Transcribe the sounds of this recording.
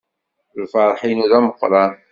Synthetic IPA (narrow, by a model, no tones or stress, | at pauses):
lfɑɾˤħinuɾaməqːɾˤɑ